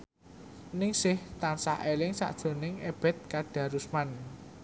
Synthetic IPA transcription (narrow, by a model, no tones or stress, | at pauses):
nɪŋsɪht̪ansa̰ʔelɪŋsa̰ʔd̥ʒ̥o̤nɪŋeb̥ɛ̤t̪̚kaɖ̥ä̤ɾusman